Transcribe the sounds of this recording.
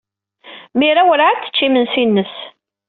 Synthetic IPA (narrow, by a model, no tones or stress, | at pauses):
miɾawəɾʕat͡s̪ːə̥t͡ʃːimənsinːəs